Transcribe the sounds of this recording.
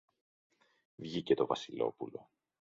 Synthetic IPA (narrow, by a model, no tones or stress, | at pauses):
vʝice̞t̪o̞vɐsilo̞̰pulo̞